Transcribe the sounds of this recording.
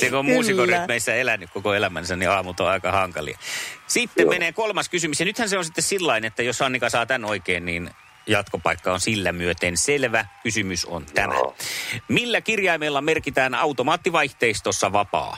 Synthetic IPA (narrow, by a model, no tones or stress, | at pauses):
sekommuːsikortmeisːæelænːykkokoelæmænsænniɑːmult̪oɑikɑhɑŋkɑlḭɑ̰sit̪ːemmeneːkolmɑskysymysjɑnyt̪hænseonsit̪ːessilːɑinet̪ːæjossɑnːikɑsɑːt̪ænoikeːnniːn | jɑt̪kopɑikːɑonsilːæmyøt̪enselʋækysymyso̰nt̪æmæ̰milːækirjɑimelːɑmerkit̪æːnɑut̪omɑːt̪ːiʋɑiht̪eist̪osːɑʋɑpɑ̰ː